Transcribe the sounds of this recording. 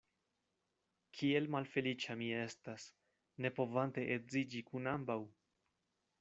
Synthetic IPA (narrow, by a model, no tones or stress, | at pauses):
kʰie̞lmalfe̞lit͡ʃamie̞stas | ne̞po̞vante̞ʔetzid͡ʒikunambaw